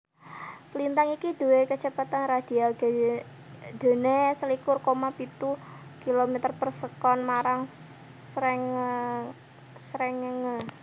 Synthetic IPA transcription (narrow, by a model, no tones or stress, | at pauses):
plint̪aŋikid̪̥ṳwekət͡ʃəpat̪anrad̪̥i̤ald̥ | d̪̥e̤nesəlikʊrkomapit̪ukilomɛt̪ərpərsəkɔnmaɾaŋ | sɾɛŋ | sɾɛŋəŋə